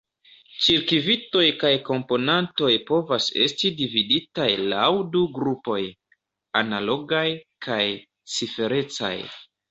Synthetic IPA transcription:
t͡ʃiɾkivito̞jkajko̞mpo̞nanto̞jpo̞vase̞̰stidividitajla̰wduɡɾupo̞j | analo̞ɡajkʰaj | t͡sife̞ɾe̞t͡sa̰j

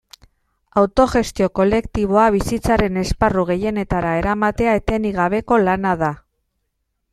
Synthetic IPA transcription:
awt̪o̞ʝe̞st̪io̞ko̞le̞kt̪iβ̞o̞aβisit͡saɾe̞ne̞sparuɣ̞e̞je̞ne̞t̪aɾae̞ɾamat̪e̞aet̪e̞niɣ̞aβ̞e̞ko̞lanaða

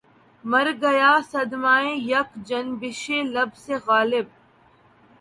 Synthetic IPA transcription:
mɐɾɡɐjaːsɐd̪maːẽjɐkd͡ʒɐnbɪʃeːlɐbseɣaːlɪb̚

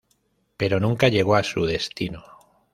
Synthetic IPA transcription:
pe̞ɾo̞nũŋkaʎe̞ɣ̞o̞asuðe̞st̪ino

